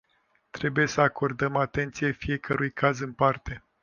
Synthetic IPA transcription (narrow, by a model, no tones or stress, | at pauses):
t̪ɾe̞buje̞səakʰo̞rd̪əmat̪e̞nt̪sije̞fije̞kəɾʔujkʰazɨnpart̪e̞